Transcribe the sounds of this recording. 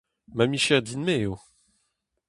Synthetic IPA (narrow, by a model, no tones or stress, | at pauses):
mamiʃɛʁd̪inmeo